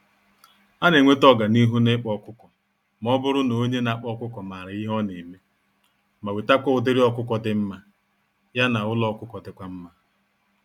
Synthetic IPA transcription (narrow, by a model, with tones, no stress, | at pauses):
a˦ne˨ŋʷe˦tɔ˦ɡa˨ni˦ɦu˦nɪ˦k͡pɔ˦kʷʊ˦kɔ˨ | m˨ɔ˦bʊ˦ɾʊ˦no˨o˦ɲe˦na˨˦k͡pɔ˦kʷʊ˦kɔ˨maː˨ɾɪ˨i˦ɦɔ˦ne˨me˦ | ma˨we˨ta˦kʷɔ˦ʊ˨dɪ˦ɾi˦ɔ˦kʷʊ˦kɔ˨dɪ˨m̩˦ma˦ | ja˦na˨ʊ˦lɔ˦kʷʊ˦kɔ˨dɪ˨kʷa˦m̩˦ma˦